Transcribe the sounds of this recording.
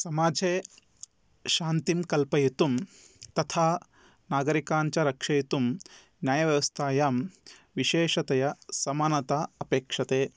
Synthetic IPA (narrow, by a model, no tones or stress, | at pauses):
sɐmaːd͡ʒʱeː | ʃaːnt̪imkɐlpɐjit̪um | t̪ɐt̪ʰaː | naːɡɐɾikaːɲt͡ʃɐɾɐkʂɐjit̪um | njaːjɐʋjɐʋɐst̪ʰaːjaːmʋiʃeːʃɐt̪ɐjɐsɐmaːnɐt̪aɐpeːkʂɐt̪eː